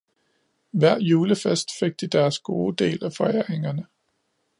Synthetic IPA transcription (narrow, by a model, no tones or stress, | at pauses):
ʋæɐ̰juːləfesd̥feɡ̥̚d̥id̥æɐsɡ̥o̝ːd̥e̝̰ːlæfɒ̽eɐeŋɐnə